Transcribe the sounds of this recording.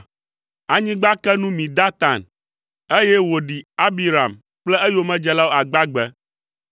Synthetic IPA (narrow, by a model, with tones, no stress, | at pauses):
a˨ɲĩ˦ɡ͡ba˦kɛ˦nũ˦mĩ˨d̪a˦t̪a˨n | e˦jɛ˦wo˨ɖi˨a˦bi˦ɾa˨m | k͡plɛ˦e˦jo˦mɛ̃˦d͡ʒɛ˦la˦wo˦a˨ɡ͡ba˦ɡ͡bɛ˦